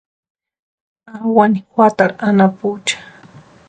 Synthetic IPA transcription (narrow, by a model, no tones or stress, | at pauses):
awanikwat̪aɾanaput͡ʃḁ